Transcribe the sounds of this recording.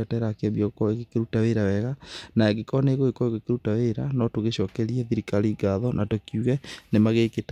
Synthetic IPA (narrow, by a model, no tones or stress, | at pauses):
ɔtɛɾakeaβjɔokɔeɣekeɾutaweɾawɛɣanaɛɡekɔneɣoekɔeɣekeɾutaweɾanɔtoɣeɕɔkɛɾiɛðiɾikaliɡaðɔnʔatokjuɣɛnemaɣeːket